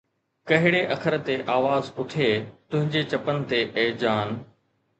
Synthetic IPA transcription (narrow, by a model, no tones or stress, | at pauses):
kɐɦɪɽeʔɐkʰəɾt̪eʔaːʋaːzpʊʈʰeːt̪ʊ̃ɦɪ̃ɲd͡ʑet͡ɕɐpənɪ̆t̪eʔeːd͡ʑaːn